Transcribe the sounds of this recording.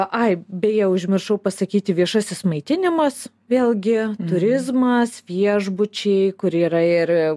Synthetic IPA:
ʔɐɪbʲɛjɛʊʒʲmʲɪrʃɐʊpɐsɐkʲiːt̪ʲɪʋʲiɛʃusʲɪsmɐɪt̪ʲɪnʲɪmɐs | ʋʲeːlʲˠɡʲɪt̪ʊɾʲɪzmɐsʋʲiɛʒbʊt͡ʃʲɛɪkʊɾiːɾɐɪr

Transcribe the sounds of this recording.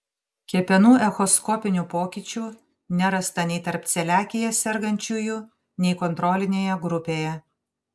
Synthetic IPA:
kʲiɛpʲɛnuːʔɛxɔskɔpʲɪnʲuːpoːkʲɪt͡ʃʲuː | nʲɛɾɐst̪ɐnʲɛɪt̪ɐɾpt̪sʲɛlʲæːkʲɪjɛsʲɛɾɡɐnʲt͡ʃʲʊjʊ | nʲɛɪkɔnt̪ɾɔːlʲɪnʲeːjɛɡɾʊpʲeːjɛ

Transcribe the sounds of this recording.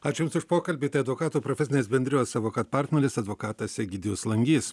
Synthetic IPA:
ɑːt͡ʃʲjʊmsʊʃpoːkɐlʲbʲiːt̪ɐɪɐd̪ʋoːkɑːt̪uːpɾofʲɛsʲɪnʲeːsbʲɛnʲd̪ʲɾʲɪjoːsɑʋoːkɐt̪̚pɑɾʲt̪ʲnʲɛɾʲɪsɐd̪ʋoːkɑːt̪ɐsʲɛɡʲɪd̪ʲɪjoːslˠɐŋʲɡʲiːs

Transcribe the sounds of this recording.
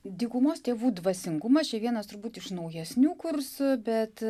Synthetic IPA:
d̪ʲiːkʊmoːst̪ʲeːʋuːd̪ʋɐsʲɪŋɡʊmɐt͡ʃʲɛʋʲiɛnɐst̪ʊɾbuːt̪ɪʃnɐʊjɛsʲnʲuːkʊrsʊbʲɛt̪

